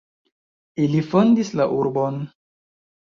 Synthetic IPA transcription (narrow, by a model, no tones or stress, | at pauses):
ilifo̞ndislaʔuɾbon